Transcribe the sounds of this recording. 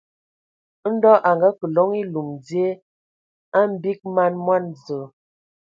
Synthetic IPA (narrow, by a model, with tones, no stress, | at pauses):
n̩˦dɔ˦ʔa˨ŋɡa˦kə˨lɔ˨˦ŋi˦lu˨md͡zje˦ | a˦m̩˦bi˦k̚ma˦˨nmwa˦˨nzə˨